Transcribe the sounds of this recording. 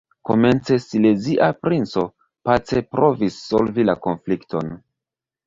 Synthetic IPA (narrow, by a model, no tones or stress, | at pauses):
ko̞̰me̞nt͡se̞sile̞ziʔapɾint͡so̞ | pat͡se̞pɾo̞visːo̞lvilako̞nflikto̞̰n